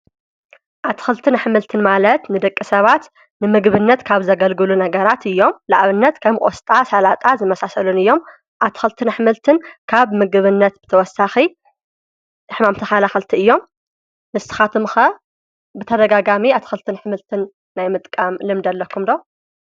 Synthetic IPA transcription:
ʔaβt̪ʰɨ̥xɨlt̪ʰɨnħɨmɨlt̪ʰɨnmalɐt̪nɨd̪ɐkʼːisɐβat̪ | nɨmɨɡβɨnːɐt̪kʰaβzɐɡɐlɡɨlunɐɡɐɾat̪ɨjːo̞mlaʔβɨnːɐt̪kʰɐmʔʼost̪ʼasalat̪ʼazɨmɐsasɐlunɨjːo̞m | ʔaβt̪ʰi̥xɨlt̪ʰɨnħɨmɨlt̪ʰɨnkʰaβmɨɡɨβɨnːɐt̪̚bɨ̥t̪ʰɐwɔsːaxi | ɨħmamt̪ʰɐxalaxɨlt̪ʰiɨjːo̞m | nɨsɨ̥xat̪ʰɨmxɐ | bɨt̪ʰɐd̪ɐɡaɡamiaβt̪ʰi̥xɨlt̪ʰɨnħɨmɨlt̪ʰɨnː | ajmɨt̪ʼkʼamlɨmd̪ɐlːɐkʰːumd̪o

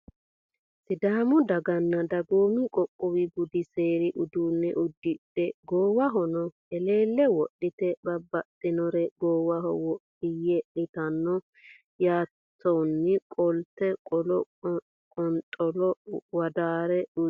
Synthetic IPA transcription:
sɪd̪aːmʊd̪ɐɡɐnːɐd̪ɐɡoːmɪkʼɔkʼːʊwɪɡʊd̪ɪseːɾɪʔʊd̪uːnːɛʔʊd̪ːɪɗɛɡoːwɐɦɔnɔ | ɛle̞ːlːɛwɔɗːɪt̪ɛbɐbːɐt̪ʼːɪnɔɾɛɡoːwɐɦɔ̰wɔɗɪjɛɗɪt̪ɐnːɔ | jaː | t̪ʰːɔwnːɪkʼɔlt̪ːɛkʼɔlɔ | kʼɔnt̪ʼɔlɔwɐd̪aːɾɛʊ

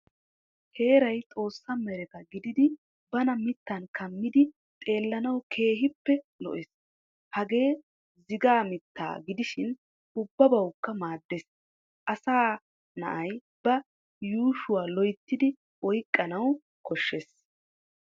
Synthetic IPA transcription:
he̞ːɾɐjt̪ʼo̞ːsːɐmɛɾɛkɐɡɪd̪ɪd̪ɪ | bɐnɐmɪt̪ːɐnkʰɐmːɪd̪ɪ | t̪ʼe̞ːlːɐnɐwkʰe̞ːɦɪpːɛlɔ̰ʔɪs | hɐɡe̞ː | zɪɡaːmɪt̪ːa̰ːɡɪd̪ɪʃɪn | ʔʊbːɐbɐwkːɐmaːd̪ːeːs | ʔɐsaː | nɐ̰ʔɐj | bɐ | juːʃʊwaːlɔjt̪ːɪd̪ɪ | ɔjkʼːɐnɐw | kɔʃːeːs

